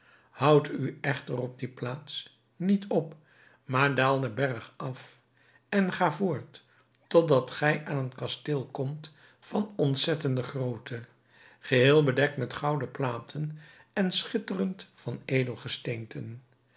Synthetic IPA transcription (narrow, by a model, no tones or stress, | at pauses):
hʌwtyɛχtərɔb̚diplaːts | nitʰɔp | maːɹdaːlˠdəbɛrχɑf | ɛnχaːvʊːɹt | tɔdɑtχɛjʔaːnənkɑstɪːlˠkɔmt | fɑnɔntsɛtəndəχrowtʰə | χəɦɪːlˠbədɛk̚tmɛtχʌwdəplaːtʰənɛnsχɪtərəntfɑnejdəlˠχəstejntʰən